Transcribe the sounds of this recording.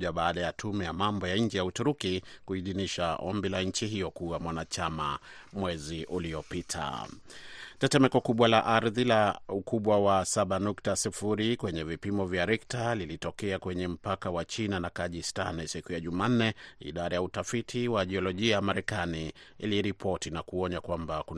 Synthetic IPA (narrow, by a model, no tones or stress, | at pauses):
aɓaːɗajatʰumɛjamambɔjaɲ̩d͡ʒɛjautuɾukikuiðiniʃaʔɔ̰mbilaɲ̩t͡ʃiɦijɔkuamwanat͡ʃama̰ | mwɛziʔulijɔpitʰa̰ | tɛtɛmɛkɔkuɓwalaʔaɾðilaukuɓwawasaɓanuktasifuɾikwɛɲɛvipimɔvjaɾɛktalilitɔkɛakwɛɲɛm̩pakawat͡ʃinanakaʄista̰nsikujaʄumaːn̩nɛḭɗaɾajautafitʰiwaʄɛɔlɔʄiajamaɾɛkaniḭliɾipʰɔtinakuɔɲakwambaku